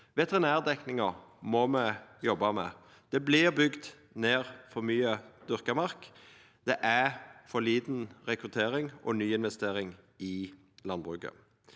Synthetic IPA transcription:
ʋɛt̪əʁɪnæːʁd̪ɛknɪŋəmɔmɛjɔbːɑmɛ | d̪̥ɛblɪʁbʏɡd̪ | neːʁfɔʁmyːəd̪̥ʏʁkəmɑʁk | d̪̥ɛʔæfɔliːd̪n̩ʁɛkʁʉt̪ʰeːɾɪŋʔɔnyːɪnʋɛst̪eːɾɪŋ | ɪ | lɑnbʁʉːkə̰

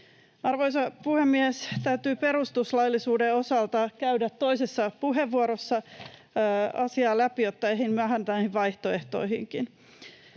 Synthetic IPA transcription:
ɑrʋo̞jsɑpuhemːiest̪æyt̪yːpe̞ɾust̪uslɑjlːisuːdeo̞sɑlt̪ɑkæɥdæt̪ːo̞isesːɑpuɦe̞ʋːuoɾosːɑ | ɑsiɑːlæpijot̪ːɑehinmyæɦænt̪ænæːhiʋʋɑjht̪oe̞ht̪o̞̰ihiŋkin

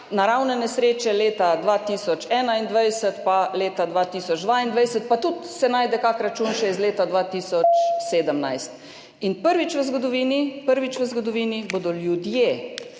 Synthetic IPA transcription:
naɾawnɛnɛsɾeːt͡ʃɛleːt̪ad̪ʋaːt̪isɔt͡ʃɛːnaind̪ʋajsət̪paleːt̪ad̪ʋat̪iːsɔd͡ʒd̪ʋaind̪ʋajsət̪̚pat̪ut̪sɛnaːjd̪ɛkakɾat͡ʃunʃɛizleːt̪ad̪ʋaːt̪iːsɔt͡ʃseːd̪əmnajst̪ | inpəɾʋit͡ʃʋəzɡɔd̪ɔʋiːnipəɾʋit͡ʃʋəzɡɔd̪ɔʋiːniboːd̪ɔljud̪je

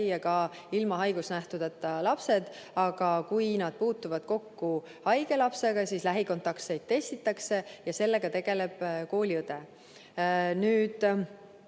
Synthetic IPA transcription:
jɑkɑ | ilmɑɦɑjɡ̥usnæht̪ud̪ɑt̪ːˑɑlɑpse̞d̪̥ | ɑɡ̥ɑkujnɑd̪̥̚puːt̪ːuvɑd̪̥̚ko̞kːu | hɑjɡe̞lɑpse̞ɡ̥ɑsiːslæɦiko̞nt̪ːɑkse̞jd̪̥̚t̪e̞st̪it̪ːˑɑkse̞jɑse̞lːe̞ɡ̥ɑt̪e̞ɡ̥e̞le̞b̥ko̞ːlʲiɤd̪e̞ | nyːd̪̥

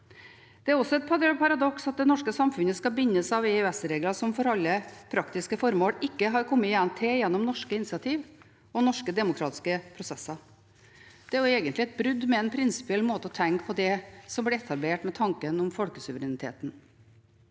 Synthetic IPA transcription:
d̪̥ɛæɾɔsːɔɛt̪̚pʰɑɾpɑɾɑd̪ɔksɑt̪̚d̪ɛnɔʂkəsɑmfʉnəskɑbɪnːəsɑʋɛʉɛsɾeːɡlɑsɔmfɔɾɑlːəpʰɾɑkt̪ɪskəfɔɾmoːɽɪkːəɦɑɾkʰɔmːəjɛnt̪ʰɪjɛnːɔmnɔʂkəɪnɪsɑt̪ʰiːʋ | ɔnɔʂkəd̪ɛmʊkʰɾɑːt̪ɪ̥skəpʰɾʊsɛsɑɾ | d̪̥ɛæɾjʊɛːɡənt̪lɪɛt̪̚bɾʉd̪mɛɛnpʰɾɪnsɪ̥pɪɛlmoːt̪əɔt̪ʰɛŋkpʰɔd̪ɛsɔmblɪɾɛt̪ʰɑbleːʈmɛt̪ʰɑŋkənɔmfɔlkəsʉʋəɾɛnɪt̪ʰḛːt̪n̩

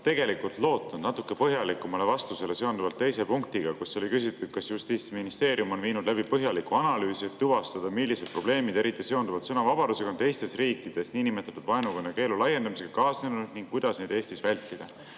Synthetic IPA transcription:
t̪e̞ɡe̞likult̪lo̞ːt̪nud̪nɑt̪ːˑukːˑe̞pɤɦjɑlikːˑumɑle̞vɑst̪use̞le̞se̞ond̪uvɑlt̪ːe̞jse̞puŋk̚t̪iɡ̥ɑkusːeo̞likys̬it̪ˑːu̥kɑsjust̪iːt̪siminist̪e̞ːɾijumo̞nviːnud̪̥læbipɤɦjɑlikuɑnɑlyːsiet̪ːuvɑst̪ɑd̪̥ɑmilːise̞d̪̥̚pro̞b̥le̞ːmid̪e̞ɾit̪ːˑise̞o̞nd̪uvɑlt̪sɤnɑvɑb̥ɑd̪use̞kɑnt̪e̞jst̪e̞sriːkːˑid̪̥e̞sniːnime̞t̪ːˑɑt̪ːud̪̥vɑenuɡonːɑke̞ːlulɑje̞nd̪ɑmise̞kɑkɑːsnenuud̪̥niŋkkujd̪ɑsned̪e̞ːsʲt̪isvælʲt̪ːˑid̪̥ɑ

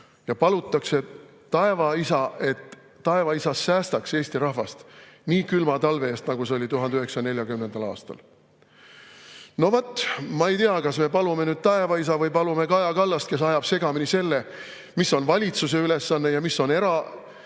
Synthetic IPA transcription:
jɑpɑlut̪ːˑɑkse̞ | t̪ɑe̞vɑisɑe̞t̪ː | ɑevɑisɑsːæːst̪ɑkse̞ːsʲt̪iɾɑhvɑst̪niːkylmɑt̪ɑlve̞est̪nɑɡ̥useolʲit̪uɦɑnd̪yɦe̞ksɑne̞lʲjɑkymnend̪̥ɑlɑ̰ːst̪ɑ̰l | no̞vot̪ˑːmɑejt̪iɑkɑsme̞pɑlume̞nyːd̪̥̚t̪ɑe̞vɑisɑvɯjpɑlume̞kɑjɑkɑlːɑst̪ke̞s̬ɑjɑb̥se̞ɡ̥ɑminise̞lːe̞ | misːo̞nvɑlʲit̪suse̞yle̞sːɑnːe̞jɑmisːo̞ne̞ɾɑ

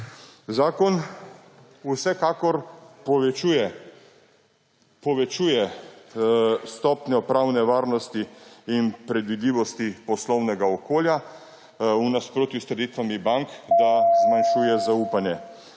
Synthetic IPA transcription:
zaːkɔn | usɛkakɔɾpɔʋɛt͡ʃujɛ | pɔʋɛt͡ʃuːjɛ | st̪ɔːpnjɔpɾawnɛʋaːɾnɔst̪iːnpɾɛd̪ʋid̪liːʋɔst̪ipɔslɔwnɛɡaɔkoːlja | unaspɾoːt̪just̪ɾɛd̪iːt̪ʋamibaŋkd̪azmanʃuːjɛzauːpanjɛ

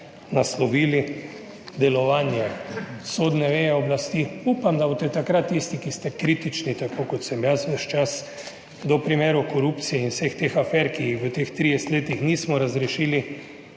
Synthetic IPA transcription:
naslɔʋiːli | d̪ɛlɔʋaːnjɛsoːd̪nɛʋeːjɛɔblast̪iupamd̪abot̪ɛt̪akɾat̪ːist̪ikist̪ɛkɾit̪it͡ʃnit̪akoːkɔt̪sɛmjasʋəʃt͡ʃas | d̪ɔpɾimeːɾɔkɔɾupt̪sijɛinwsext̪exafɛɾkijixʋət̪ext̪ɾijɛst̪leːt̪ixnismɔɾazɾɛʃiːli

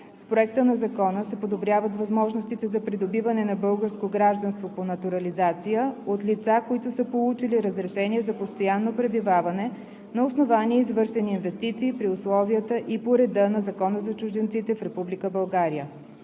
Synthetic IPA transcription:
spɾoɛkt̪ənɐzɐkɔnəsɛpod̪obɾʲjavət̪vɐzmɔʒnost̪it̪ɛzɐpɾid̪obivɐnɛnɐbɤlˠɡəɾskoɡɾaʒd̪ɐnst̪voponɐt̪uɾɐlizat̪sijəot̪lit̪sakoit̪ʊsəpolˠut͡ʃiliɾəzɾɛʃɛniɛzɐpost̪ojanːopɾɛbivavɐnɛ | nɐʊsnovaniɛizvɤɾʃɛniːnvɛst̪it̪siːpɾiʊslˠɔviət̪əʔipoɾɛd̪ənɐzɐkɔnəzɐt͡ʃʊʒd̪ɛnt̪sit̪ɛfɾɛpublikəbɐlˠɡaɾijə

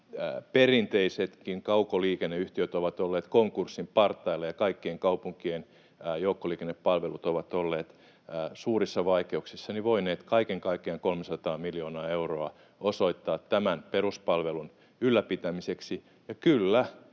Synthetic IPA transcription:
perint̪eiset̪kiŋkɑukoliːkenːeyht̪iøt̪oʋɑt̪olːeːt̪koŋkursːimpɑrt̪ːɑilːɑjɑkɑikːieŋkɑupuŋkienː | joukːoliːkenːeppɑlʋelut̪oʋɑt̪olːeːt̪ː | suːrisːɑʋɑikeuksisːɑniʋoineːt̪kɑikeŋkɑikːˑeɑŋkolmesɑt̪ɑːmiljonɑːeuroɑ | osoit̪ːɑːt̪ːæmænperuspɑlʋelun | ylːæpit̪æmiseksi | jɑkylːæ

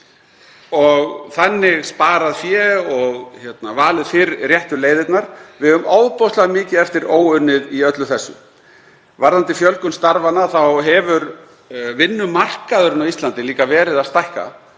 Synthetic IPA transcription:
ɔɣθanːɪɣspaːɾaðfjɛɣɔɣçɛt̪navaːlɪðfɪɾrjɛht̪ʏleːjðɪt̪naɾ̥vɪðʏmaːwðpɔwst̪laðmɪːcɪðɛft̪ɪɾoːwʏnːɪðiœt̪lʏθɛsːʏ̰ | vaɾðant̪ɪfjœlkʏnst̪aɾvanːaθawɦɛvʏɾ | vɪnːʏmar̥kaðʏɾɪnawist̪lant̪ɪliːkavɛːɾɪðaðst̪ajhka̰

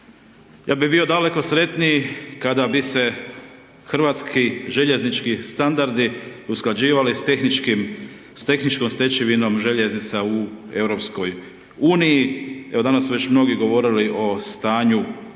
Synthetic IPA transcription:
jaːbibio̞d̪ale̞ko̞sɾe̞t̪nijkad̪abise̞ | xɾ̩ʋaːt̪skʰiʒe̞ʎe̞znit͡ʃkist̪and̪aɾd̪iusklad͡ʑiːʋalist̪exnit͡ʃkim | st̪e̞xnit͡ʃkomst̪e̞t͡ʃiʋino̞mʒe̞ʎe̞znit̪saue̞wɾo̞psko̞j | uːnijieʋo̞d̪anasːuʋe̞t͡ɕmno̞ɡiɡo̞ʋo̞ːɾiliʔo̞st̪aːɲu

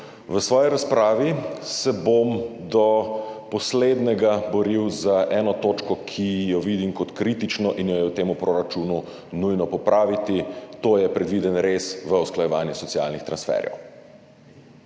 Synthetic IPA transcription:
ʋəsʋɔːjiɾaspɾaːʋisɛbomd̪ɔpɔsled̪nɛɡabɔɾiwzaʔɛːnɔt̪oːt͡ʃkɔkʰijɔʋid̪imkɔt̪kɾit̪it͡ʃnɔʔinjɔjɛwt̪eːmupɾoɾat͡ʃuːnu | nujnɔpɔpɾʔaːʋit̪it̪oːjɛpɾɛd̪ʋiːd̪ənɾesʋəusklajɛʋaːnjɛsɔtsija̰lnixt̪ɾansfɛ̰ɾjɛ̰w

